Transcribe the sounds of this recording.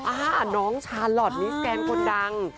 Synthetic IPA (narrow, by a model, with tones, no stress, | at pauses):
ʔaː˧˨˩nɔː˦˥ŋt͡ɕʰaː˧nlɔ˨˩t̪̚ni˦˥skɛː˧ŋkʰo˧nda˧ŋ